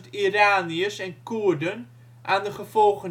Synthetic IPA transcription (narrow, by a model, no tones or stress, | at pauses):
tiraːniəsɛnkudən | ʔaːndəχəv̥ɔlˠχən